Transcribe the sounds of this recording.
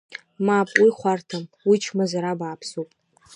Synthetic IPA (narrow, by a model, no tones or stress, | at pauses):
mapʼwiχʷartʰamwit͡ʃʰmazaɾabaːpʰsupʼ